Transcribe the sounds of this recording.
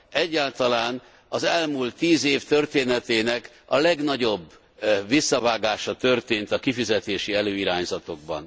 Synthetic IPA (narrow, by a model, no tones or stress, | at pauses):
ɛɟːaːlt̪ɒlaːn | ɒzɛlmult̪ːiːzeːft̪ørt̪eːnɛt̪eːnɛk | ɒlɛɡnɒɟo̞bː | ʋisːɒvaːɡaːʃɒt̪ø̞rt̪eːnt̪ɒkifizɛt̪eːʃiɛløːiɾaːɲzɒt̪o̞ɡ̚bɒ̰n